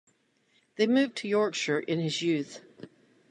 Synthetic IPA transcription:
ðeɪmʉvtʰɨjɔɹkʃə˞ʔɪ̃nɪzjʉθ

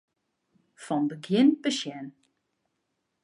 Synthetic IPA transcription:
fɔnbəɡjɪnpəʃjɛn

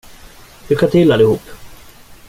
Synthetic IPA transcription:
d̪̥ɵkʰat̪ʰɪlːalɪhuːpː

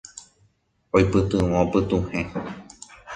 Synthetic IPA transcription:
ojpɨt̪ɨ̃wõopɨt̪ũhẽ

